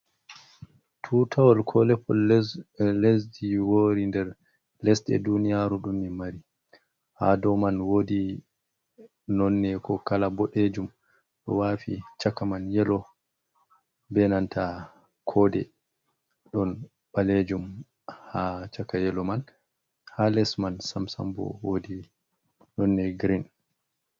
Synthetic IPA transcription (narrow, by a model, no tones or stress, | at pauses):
tʰuːtʰawɔlkʰɔlɛpʰːɔl | lesdiwoːɾindɛɾ | lɛsɗɛ̰dunijaɾuɗumːimaɾi | hadɔmanwoːdi | nɔnːɛkɔkalabɔɗed͡ʒum | ɗɔ̰wafḭt͡ʃakːamanjɛlɔ | bɛnantʰa | kʰɔdɛ | ɗɔn | ɓaled͡ʒum | hat͡ʃakajɛlɔman | halɛsmansamsa̰mbɔ̰wodi | nɔnːɛɡɾin